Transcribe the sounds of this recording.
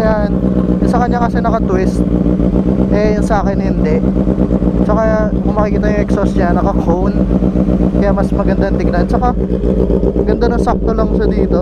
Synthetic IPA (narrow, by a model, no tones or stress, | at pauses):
jaʔnjʊsɐkɐɲːakɐsɛnɐkɐt̪wɪst̪̚ | ʔɛjʊnsɐʔaːkɛnhɪnd̪ɛʔ | t͡ʃɐkakʊŋmɐkɪikiːt̪ajʊŋɛksosɲanɐkɐkʰown | kɐjaʔmɐsmɐɡɐnd̪ant̪ɪɡ̚naʔɐnt͡ʃɐka | mɐɡɐnd̪anʊŋsap̚t̪olɐŋʃɐd̪iːt̪o